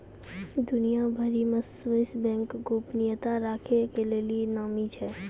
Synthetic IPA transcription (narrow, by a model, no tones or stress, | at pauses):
d̪ʊnijabʱəɾimẽsʋəɪsbɛ̃ːŋkɡoːpnijət̪aɾaːkʰekelelienaːmit͡ʃʰɛ